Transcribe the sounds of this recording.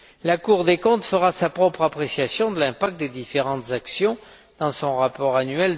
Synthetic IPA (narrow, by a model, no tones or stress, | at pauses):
lakuʁd̪ekɔ̃t̪fəʁasapχɔpχapχesjasjɔ̃d̪əlɛ̃pak̚t̪̚d̪ed̪ifeʁɑ̃t̪zaksjɔ̃ | d̪̥ɑ̃sɔ̃ʁapɔʁanɥɛl